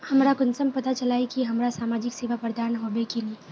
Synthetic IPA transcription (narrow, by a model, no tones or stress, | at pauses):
hɐmɾakʊnsəmpɐt̪at͡ʃɐlaːekiɦɐmɾasaːmaːd͡ʒɪkseːʋapɐɾd̪aːnɦoːbekelieː